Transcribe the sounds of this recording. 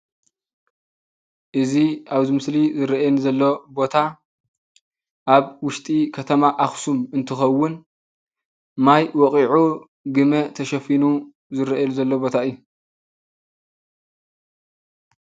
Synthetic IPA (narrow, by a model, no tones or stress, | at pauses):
ʔɨziaβzimɨslizɨɾɐʔjɛnzɐlːo̞bo̞t̪ʰa | ʔaβwʊʃt̪ʼikʰɐt̪ʰɐmaʔaxsumɨnt̪ʰɨxɐwːʊn | majwɔkʼiʕu | ɡɨmɐt̪ʰɐʃɐfinu | zɨɾɐʔɐluzɐlːobo̞t̪ʰaɨjːu